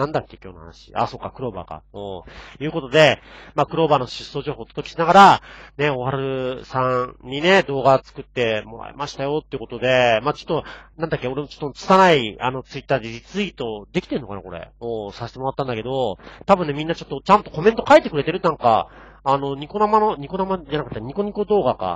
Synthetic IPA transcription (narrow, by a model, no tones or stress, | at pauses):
nãnd̪akːe̞kʲo̞ːnoha̰na̰ɕi̥̰a̰so̞ːkːakɯ̟ɾo̞ːba̰ka̰ojɯ̟ːko̞t̪o̞d̪e̞maːkɯ̟ɾo̞ːbano̞ɕɨsːo̞ːʑo̞ːɦo̞ːt̪o̥t̪okʲi̥ɕinaɡaɾane̞o̞haɾɯsãɲ̟ine̞d̪o̞ːɡat͡sɨ̥kɯ̟t̪ːe̞moɾa̰ḛmaɕi̥t̪ajo̞t̪ːeiɯ̟ko̞t̪o̞d̪e̞maːt͡ɕo̞̥t̪ːo̞nãnd̪akːeo̞ɾe̞mot͡ɕot̪ːont͡sɨ̥sanaia̰no̞t͡sɨit̪ːaːd̪eɾit͡sɨit̪o̞d̪e̞kʲi̥t̪e̞ɾɯnːo̞ka̰na̰koɾe̞̰moːsaɕe̥t̪emo̞ɾat̪ːãnd̪ake̞d̪o̞t̪abɯ̟nːe̞mʲĩnːat͡ɕo̞t̪ːo̞t͡ɕãnt̪o̞ko̞mẽ̞nt̪o̞kait̪ekɯ̟ɾe̞t̪eɾɯ̟nãŋka̰ː | no̞ɲ̟iko̞namano̞ɲ̟iko̞namad͡ʑanakɯ̟t̪ːaɲ̟iko̞ɲ̟iko̞d̪o̞ːɡaka̰